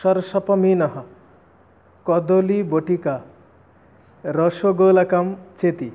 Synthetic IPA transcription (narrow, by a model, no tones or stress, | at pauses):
ʃɔɾsɐpɔminɐɦɐ̃ | kɔd̪oliboʈika | ɾɔʃoɡolakamt͡ʃet̪i